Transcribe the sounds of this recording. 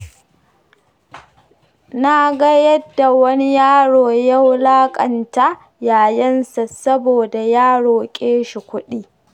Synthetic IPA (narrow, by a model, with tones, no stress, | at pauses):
na˨ɡa˦jɐ˦dːa˨wɐ˦ni˦jaː˦ɽoː˨ja˦wlaː˦kʼɐ˨nta˦ | jaː˨jɐ˦nsa˨sɐ˦boː˨da˨jaː˦ɽoː˨kʲʼeː˦ʃi˨kʷʊ˦ɗiː˦